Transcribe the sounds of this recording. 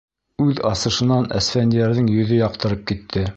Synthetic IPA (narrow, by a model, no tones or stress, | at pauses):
ʉðɑsɤ̆ʃɤ̆nɑnæ̰sfænd̪iæɾðɘŋjɵ̆ðɵjɑq̚t̪ɤ̆ɾɤp̚kit̪ʰːɘ